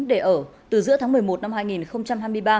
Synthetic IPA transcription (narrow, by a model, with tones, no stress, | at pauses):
ɗe˧˩ʔəː˧˩t̪ɨ˨˩zɨ̰˧˥əaː˨˦mɨ˨˩əjmo˨˩t̚na˧mhaː˧jŋi˨˩nxə˧wŋ͡mt͡ɕa˧mɦaː˧jmɨ˧əjɓaː˧